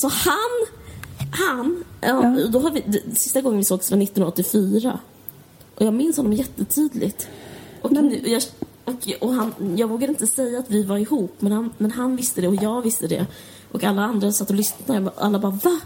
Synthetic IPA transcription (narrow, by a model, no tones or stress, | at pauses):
sɔhan | hanɑɔd̪ɔɦaɾvɪd̪ɛsɪst̪aɡɔŋənvɪsoːɡsːanɪt̪ːnɵɔt̪ːɪfyːɾa̰ | ʔɔjɑːɡmɪnshɔnːɔmjɛt̪ːət̪ʰyːd̪lɪ̰ɡt̪ʔɔknjɑː | ɔkʰɔɦanjɑːɡvoːɡad̪əɪnt̪əsɛjːaːt̪vɪvaɾɪhuːpːmɛnhanmɛnɦanvɪst̪əd̪ɛɔjɑːɡvɪst̪əd̪ɛ̰ | ʔɔkalːaand̪ɾasat̪ːɔlʏsna̰a̰lːabɑːɾva